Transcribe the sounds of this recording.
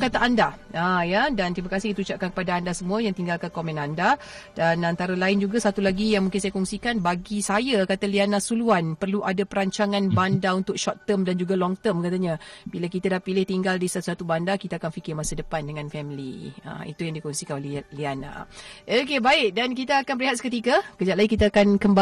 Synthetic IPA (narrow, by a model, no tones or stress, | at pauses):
kat̪aʔandaajadant̪ɾimakasɪhkit̪əut͡ʃaʔ̚kankəpadaːndasəmũajaŋt̪iŋɡalkakomɛ̃nanda | danant̪aɾalaɪnd͡ʒuɡasat̪ulaɡijaŋmuŋkɪns̬ajakɔŋsikanbaɡisajakat̪alianasuluanpərluʔadapəɾaɲt͡ʃaŋãnbandaunt̪ʊk̚ʃɔt̪ːəmdand͡ʒuɡalɔŋt̪əmkat̪aɲabilakit̪adahpilɪht̪iŋɡaldisat̪usat̪ubandakit̪aakanfikɪrmasədəpandəŋãnfɛmilḭə̰ḭt̪ujaŋdikɔŋsikanolɛliana̰ʔokebaɪk̚dankit̪aakanbəɾiɦat̪sə̥kət̪̬ikakəd͡ʒat̪laikit̪aːkankəmba